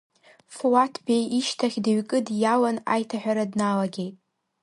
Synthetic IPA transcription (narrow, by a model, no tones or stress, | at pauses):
fwatʰbejiʃtʰaχʲdaɥkʼɨdjalana̰jtʰaħᶣʷaɾadnalaɡʲe̞jtʼ